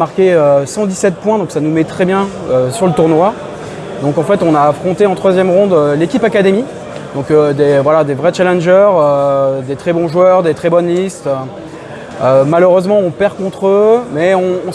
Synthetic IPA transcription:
aʁkʲeøsɑ̃d̪isɛt̪̚pwɛ̃d̪ɔ̃ksanumɛt̪χɛbjɛ̃ | øsyʁlət̪uʁnwa | d̪ɔ̃kɑ̃fɛt̪ɔ̃naːfχɔ̃t̪eɑ̃t̪χwazjɛmʁɔ̃d̪lekʲipakad̪emi | d̪ɔ̃kød̪evwalad̪evʁɛt͡ʃalɛnʒœʁød̪et̪χɛbɔ̃ʒwœʁd̪et̪χɛbɔnlist̪ø | ømaløʁøzmɑ̃ɔ̃pɛʁkɔ̃t̪χømɛɔ̃ː

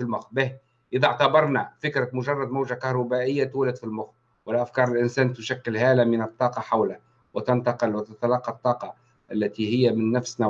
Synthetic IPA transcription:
filmʊxbɪh | ʔɪðaʕt̪abɑɾˤnafɪkɾamʊʒɑrˤːɑd̪mawʒakahɾˤubaʔɪjːat̪uːlɪd̪filmʊx | wɪlʔafkɑːɾˤɪlʔɪnsæːnt̪ʊʃækːɪlhæːlamɪnɨt̪ˤːɑːqɑħawla | wɪt̪ant̪ɑqɪlwɪt̪at̪alɑqːɑt̪ˤːɑːqɑ | ʔalːæt̪ihɪjːamɪnːafsna

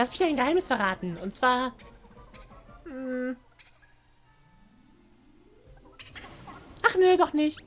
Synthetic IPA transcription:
asv̥ɪ̥aɪnɡəhaɪməsfɛɐʁaːtn̩ʊntt͡sv̥aːɐ | m̩ | ʔaχneːdɔχnɪçt

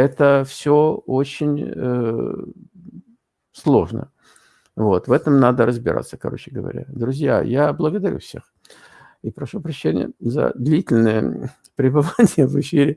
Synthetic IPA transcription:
ɛt̪əfsʲoot͡ɕɪnʲ | slˠo̞ʐnə̰ | vo̞t̪vɛt̪əmnad̪əɾəzbʲɪɾa̰t̪sːə̥kɐ̰ɾo̞̰t͡ɕɪɡəvɐ̰ɾʲa̰d̪ɾʊzʲja̰jablˠəɡəd̪ɐɾʲṵfsʲe̞̰x | ipɾɐʂupɾɐɕːenʲɪ̰jə̰zə̰d̪lʲitʲɪlʲnəjə̰ | pɾʲɪbɨvanʲɪjəvɨfʲiɾʲɪ

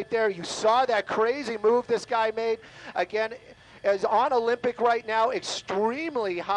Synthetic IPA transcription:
ɪt̪̚ðə˞jɨsɔðɨt̚kʰɹ̥eɪzimuvðɪsɡ̥aɪmeɪdɨɡɛ̃n | ɨzə̃nolɪ̃mpɨkɹaɪtⁿnaʊɨkstɹĩmliha

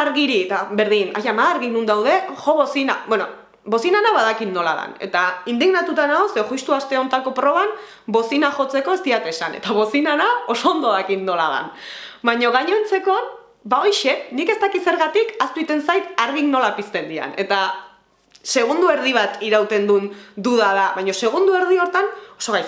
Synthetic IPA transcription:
aɾɣiɾit̪abe̞ɾðina̰jamaðaɾɣinund̪awðe̞ʝo̞βo̞sina̰bweno̰ | bo̞sinanaβaðakinːo̞la̰ða̰ne̞̰t̪aind̪iɣnat̪ut̪anaoseoʝust̪uast̪e̞o̞nt̪ako̞pɾo̞β̞an | bo̞sinaʝo̞t͡se̞ko̞e̞st̪iat̪e̞sane̞̰t̪aβo̞sinanao̞so̞ːnd̪oðakinːo̞la̰ða̰nbajɲo̞ɣ̞aɲo̞ent͡se̞ko̞n | baojʃe̞nike̞st̪akise̞ɾɣat̪ikast̪uit̪e̞nsajt̪aɾɣikno̞lapist̪e̞nd̪ia̰ne̞t̪a | se̞ɣ̞und̪ue̞ɾð̞iβ̞at̪iɾawt̪e̞nd̪und̪uðaðaβajɲo̞se̞ɣ̞und̪ue̞ɾð̞io̞ɾt̪anoso̞ɣaj

